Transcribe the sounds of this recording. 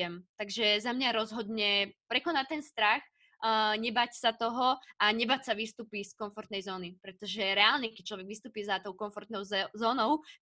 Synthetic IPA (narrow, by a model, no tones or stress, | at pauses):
ɛmt̪aɡʒɛzamɲaɾɔzɦɔd̪ɲɛpɾɛkɔnat̪ɛnst̪ɾax | ɲɛbacsat̪ɔɦɔaɲɛbacsaʋist̪uːpiskɔnfɔɾt̪nɛjzɔːnipɾɛt̪ɔʒɛɾɛaːlɲɛkɛc̚t͡ʃlɔʋɛɡʋist̪uːpiɛzat̪ɔʊkɔnfɔɾt̪nɔʊzɔːnɔʊ